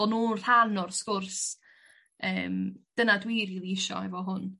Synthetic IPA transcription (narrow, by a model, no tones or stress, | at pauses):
ɔnuːr̥anɔrskʊrs | əːmd̥ənadwiɾiliɪʃɔ̰ɛvɔɦʊn